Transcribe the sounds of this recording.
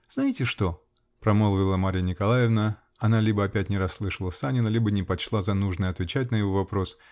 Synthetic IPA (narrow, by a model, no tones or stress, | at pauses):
znaitʲɪʂt̪o̞ | pɾɐmolˠəvʲɪlˠəmaɾʲɪjənʲɪkɐlˠajɪvnə | ɐnalʲibəɐpʲætʲnʲɪɾɐsːlˠɨʂəlˠəsanʲɪnəlʲibənʲɪpɐt͡ɕlˠazɐnuʐnɨjəɐt̪vʲɪt͡ɕæt̬̚ʲnəjɪvo̞vɐpɾo̞s